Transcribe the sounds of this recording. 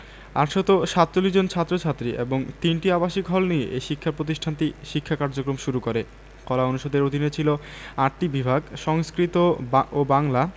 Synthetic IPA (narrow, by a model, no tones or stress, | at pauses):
a̰ʈʃɔt̪oʃat̪ːt͡ɕolːiʃd͡ʑont͡ɕʰat̪ːɾot͡ɕʰat̪ːɾiʔeboŋt̪inʈiabaʃikɦɔlnijeʔeʃikʰːapɾot̪iʃʈʰant̪iʃikʰːakaɾd͡ʑokɾomʃuɾukoɾe | kɔlaonuʃod̪eɾod̪ʱinet͡ɕʰiloaʈ̚ʈibibʱaɡʃɔŋskɾit̪oobaŋla